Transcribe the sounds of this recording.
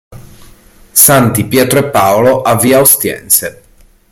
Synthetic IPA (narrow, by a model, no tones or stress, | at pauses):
sant̪ipjɛːt̪ɾoepːaːoloʔavːiːaost̪jɛ̰nse